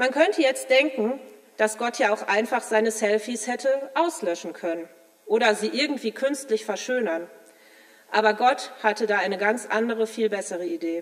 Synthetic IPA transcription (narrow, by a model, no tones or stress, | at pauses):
mankʰœntʰəjɛt͡std̥ɛŋkŋ̩ | d̥asɡ̥ɔtʰjaːaʊxʔaɪnfaχz̥aɪnəsɛlfishɛtʰəʔaʊslœʃn̩kʰœnən | ʔoːɾɐziːʔɪɐɡŋ̩tv̥iːkʰʏnstlɪçfɛɐʃøːnɐn | ʔaːbɐɡɔthatədaːaɪnəɡant͡sʔa̰ndəʁəfiːlbɛsəʁəideː